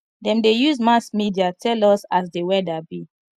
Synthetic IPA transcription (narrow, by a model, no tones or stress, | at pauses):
dɛ̃mdejuzmasmidiatʰɛlɔsas̬dewɛdabi